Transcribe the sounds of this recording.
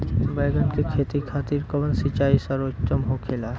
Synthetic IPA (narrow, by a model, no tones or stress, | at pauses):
imbəjɡənkekʰeːt̪ikʰaːt̪iɾkəbənsit͡ʃaːisəɾot̪ːəmɦokʰela